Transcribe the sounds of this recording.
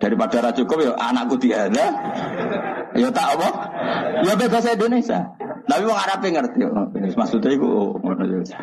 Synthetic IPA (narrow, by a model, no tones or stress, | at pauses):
d̥aɾipad̥aɾat͡ʃukʊp̚jɔʔa̰nakkːud̪iad̪a | jot̪aʔɔbɔ | jobebas̬aindonesa̰nawimɔŋaɾapɪŋərt̪ijʔsmasut̪aikṵʔoŋmrnutuisḁ